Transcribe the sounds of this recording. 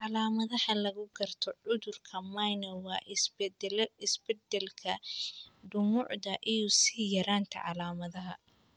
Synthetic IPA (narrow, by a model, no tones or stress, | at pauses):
ʕɑlaːmɐðɐhɐlɐɣʊɡɐrt̪ʰɔʕʊðʊrkʰɐmajnɐwɑːʔs | ɪsb̥ɛd̪ɛlkʰɐ | ɖʊmʊʕd̪ɐʔɪjʊsijɐɾaːnt̪ʰɐ̰ʕɑlaːmɐðɐɦɐ